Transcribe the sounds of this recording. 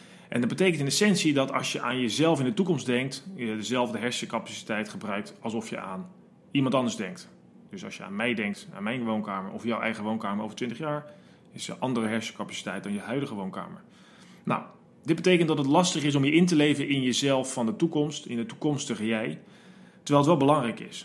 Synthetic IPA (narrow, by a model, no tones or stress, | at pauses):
ʔɛ̰ndɑd̚bətejkəntɪnesɛnsidɑtɑ̰lˠsjəʔaːnjəzɛlˠfɪndətukɔmsdɛŋktjədəzɛlˠvdəɦɛɹsjəkapasi̥tɛjtχəbrœɥk̚tɑlˠsɔfjə̰ʔa̰ːn | imɑntɑndəzdɛŋk̚t | d̥ɵsɑ̰sʃjəa̰ːnmɛjdɛŋk̚ta̰ːnmɛjnʋownkaːməɹʔɔfjawʔɛ̰jχəʋownkaːməɹo̰wvəɹtʋɪntəχjaːɹ | ɪsjə̰ʔɑndərəɦɛɹsə̥kapasi̥tɛjt̚dɑnjəɦœɥdəχəʋownka̰ːmə̰ɹ | na̰w | dɪd̚bətejkəntdɑtətlɑstəχɪs̬ɔmjəʔɪntəlejvənʔɪnjəzɛlˠfːɑndətukɔmstɪndətukɔmstəχəjɛj | təɹʋɛjlˠətʋɛlˠbəlɑŋrɛjkɪ̰s